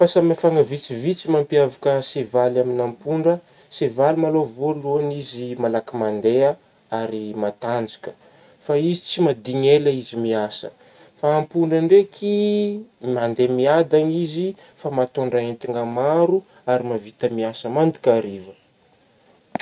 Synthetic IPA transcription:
fasamafaŋəvit͡sivit͡simampiavakəsevalaminampuɳɖ͡ʐə | sevalimalovoluanizimalakimand̪ea | aɾimat̪and͡zikə | faizit͡simad̪iɲeləizimiasə̰ | faːmpuɳɖ͡ʐəɳɖ͡ʐekʰi | mand̪emiad̪anizi | famat̪oɳɖ͡ʐaent̪iŋamaɾu | aɾimavit̪əmiasəmand̪i̥kʲaɾivə

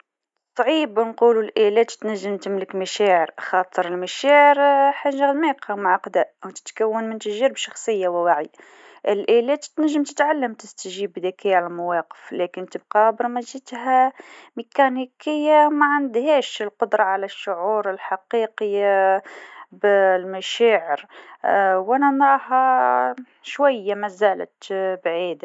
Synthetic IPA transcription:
sˤʕibnqululʔælæt̪t̪næʒːəmt̪əmləkmæʃæʕəɾxɑt̪ˤəɾəlmæʃæʕəɾħaʒːad̪miqɑmaʕɑqd̪æʔwt̪ə̥t̪kæwːənmənt̪æʒiɾəbʃɑxsˤəjːawɪwaʕi | ʔəlʔælɛt̪t̪næʒːəmt̪ət̪ʕalːəmt̪ɪst̪ʒibd̪ækʰiʕalælmæwɑqə̥flækənt̪əb̚qɑbəɾmæʒit̪hæmikænikəjːamæʕand̪hæʃəlqʊd̪ɾˤɑʕalæʃːʊʕuɾəlħɑqiqəa | blmæʃæʕəɾ | wʔænænɾˤɑhɑ | ʃwæjːamæzælə̰t̪bʕiːd̪

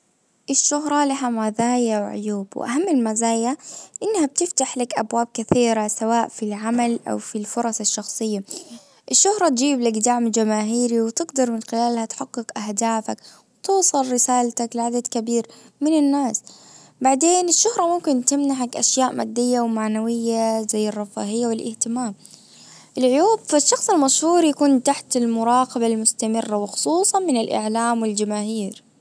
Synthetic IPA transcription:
ʔɪʃːʊɦɾˤɑlɪɦamazaːjawʕʊ̰juːbw̰ʔa̰ɦamːɪlmazaːjaʔɪnːhab̚t̪ɪft̪aħlakʔabwaːb̚kaθiːɾasawaːʔfilʕamalʔa̰wfilfʊɾˤɑsɑʃːɑxsˤɨjːa | ʔɪʃːʊhɾˤɑt̪d͡ʒiːblakd̪aʕmd͡ʒamaːɦiːɾiwɪt̪ɪɡd̪ɑɾˤmɪnxɪlaːlhat̪ħaɡːɪkʔahd̪aːfak | wt̪uːsˤɨlɾɪsaːlt̪aklɪʕad̪ad̪kabiːɾmɪnɪnːaːs | baʕd̪eːnɪʃːʊhɾˤɑmʊmkɪnt̪ɪmnaʕakʔaʃjaːʔma̰ːd̪ːɪjːawmaʕnawɪjːazajːɪrˤːɑfaːhɪjːawɪlʔɪht̪ɪmaːm | ʔɪlʕʊjuːbfaʃːɑxsˤɪlmaʃhuːɾjakuːnt̪aħt̪ɪlmʊɾˤɑːqɑbalmʊst̪amɪrːawɪxʊ̥sˤuːsˤɑnmɪnɪlʔɪ̰ʕlaːmwɪld͡ʒamaːɦiːɾ

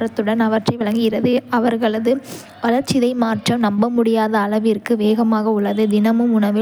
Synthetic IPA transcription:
ɾɐt̪ːɯɽɐnɐʋɐʈrɐɪʋɪɭɐŋɡɪɪɾɐðɯɐʋɐɾɣɐɭɐðɯ | ʋɐlɐɾt͡ʃːɪðɐɪmaːɾʈrɐmnɐmbɐmʊɽɪjaːðɐːɭɐʋɪrkɯʋeːɣɐmaːɣɐʊɭːɐðɯd̪ɪnɐmɯmʊɳɐʋɪ

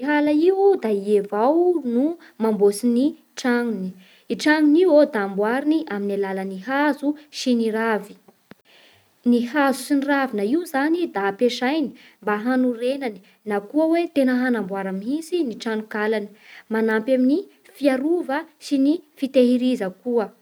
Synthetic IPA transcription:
iɦalaiwd̪aievawnu | mambosini | ʈ͡ʂaŋuni | iʈ͡ʂaŋuniwod̪aːmbwaɾiniʔaminalaləniɦazuʃiniɾavi̥ | nihazusiniravinaiuzanid̪apeʃajni̥ | mbaɦanuɾenani̥ | nakuəwet̪enəɦanambwaɾamiisiniʈ͡ʂanukalani̥manampamini | fiaɾuvəʃinifit̪eɦiɾizəkuə

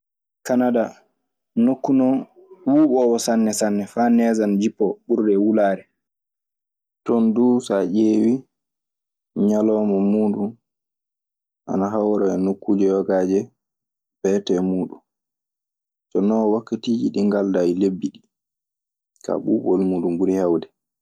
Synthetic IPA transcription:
kanada | nokːunɔ | wuːɓɔwɔsanːɛsanːɛfaːnɛːzand͡ʒipːɔɓuɾdɛwulaːɾɛ | tɔnduːsaʔeːwi | ɲalɔːmɔmuːdum | ʔa̰naɦawɾɔɛnokːud͡ʒɛwɔɡad͡ʒɛ | b̥ɛtɛmuːɗun | sɔnɔwakːatiːd͡ʒiɗiŋɡaldajlebːiɗi | kʰa̰ɓuːɓɔlmuːɗumbuɾihawdɛ

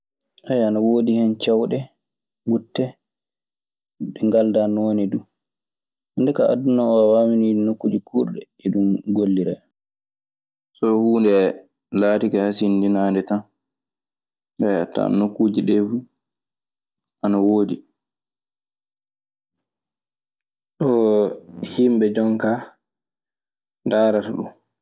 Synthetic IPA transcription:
ʔajanawoːdihɛnt͡ʃawɗɛ | ɡutːɛ | ɗɛŋɡaldanoːnidu | handɛkaʔa̰dunɔɔwamininokːud͡ʒikʰuɾɗɛ | ɛɗumɡolːiɾɛ̰ | sɔhuːndɛ | laːtikahas̬indinaːndɛtan | dajatːa̰nokːuːd͡ʒiɗɛfu | ʔanawoːdi | ɗɔ | himbɛd͡ʒɔŋka | daːɾataɗum

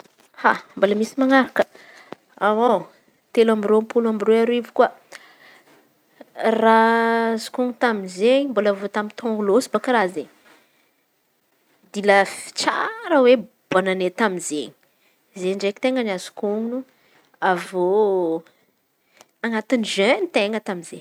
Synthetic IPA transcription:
hamboləmisimaŋaɾakə | awo | t̪elamirompulamiroaɾoivu̥kuə | razu̥kuŋut̪aminzeɲimbolavot̪amit̪ʰɔ̃ŋɡulosi̥bakaɾazeɲ | d̪iləfi̥t͡sa̰ɾəwe | b̥ananet̪aminzeɲi | zeɳɖ͡ʐeki̥t̪eŋənazu̥kuŋnu | avo | aŋat̪iniʒenit̪eŋɡət̪aminze

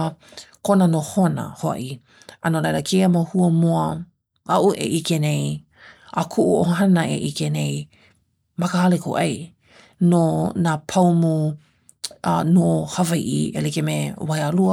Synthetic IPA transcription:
konənohonɐ̰hoɐ̰ʔi | ɐnolejləkʰejəmahuəmuɐ | ɐʔuʔḛʔikenej | ʔakʰuʔuʔoɦanɐḛʔikenej | mɐkəaleko̰ʔɐj | nonapʰawmu | ʔnohɐvaiʔḭḛlikemewajaluə

